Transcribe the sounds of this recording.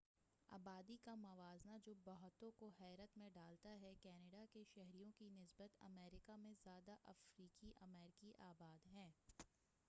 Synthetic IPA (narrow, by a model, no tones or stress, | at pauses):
a̰ːbaːd̪ikamɐʋaːznad͡ʒoːbɐɦt̪õkoɦɛːɾət̪mẽɖaːlt̪aɦɛkɛːneɖakeʃɛɦɾijõkinɪsbət̪ɐ̰mɛːɾɪkamẽzjaːd̪aʔɐfɾiːkiʔɐ̰mɛːɾɪkiʔaːbaːd̪ɦɛ̃ː